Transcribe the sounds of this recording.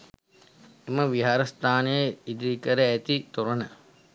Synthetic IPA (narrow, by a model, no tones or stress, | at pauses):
eməʋiɦaːɾɐst̪aːnəjəid̪iikəɾəæt̪it̪oɾɐnə